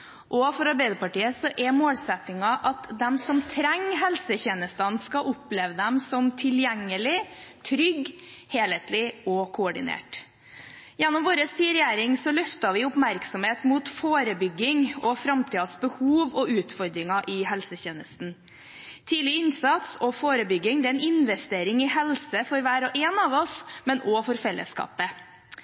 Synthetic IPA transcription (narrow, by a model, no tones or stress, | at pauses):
ʔɔfɔɾɑɾbæɪd̪əpɑʈiːəsɔʔɛmoːlsɛt̪nɪŋɑʔɑt̪d̪ɛmsɔmt̪ʰɾɛŋːɦɛlsəçeːnəst̪ɑnskɑʔʊpleːʋəd̪ɛmsɔmt̪ʰɪljɛŋːəlɪt̪ʰɾʏɡ | heːleːt̪lɪɔkʰʊɔɖɪnḛːʈ | jɛnːɔmʋoːɾəsiːəɾɛjeːɾɪŋsɔlœft̪ɑʋɪʊpmæɾksɔmheːt̪muːt̪foːɾəbʏɡːɪŋɔfɾɑmt̪ʰiːɑsbəhuːʋɔʉːt̪fɔɾd̪ɾɪŋɑʔɪɦɛlsəçeːnəst̪n̩ | t̪ʰiːlɪɪnsɑt̪sɔfoːɾəbʏɡːɪŋd̪ɛɛnɪnʋɛst̪eːɾɪŋɪhɛlsəfɔɾʋæːɾɔʔeːnɑːʋɔsmɛnɔfɔɾfɛlːə̰skɑ̰ːpə